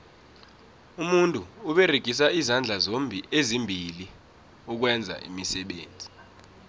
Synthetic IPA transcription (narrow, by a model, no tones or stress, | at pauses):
umuntʼuːɓɛreɡ̥ʱis̬aizand͡ɮʱazombʱiʔezimbʱili | uk̬wɛnd͡zʱa̰ʔḭmisɛɓeːnd͡zʱi